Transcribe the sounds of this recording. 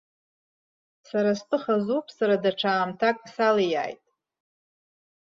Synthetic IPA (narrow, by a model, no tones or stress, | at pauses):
saɾastʼɨχazupʰʼsaɾadaʈ͡ʂʰaːmtʰakʼsalija̰ːjtʼ